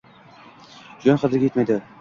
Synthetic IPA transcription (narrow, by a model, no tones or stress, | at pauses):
d͡ʒɒnχʰɑd̪ɪɾɡʲajet̪majd̪ɪ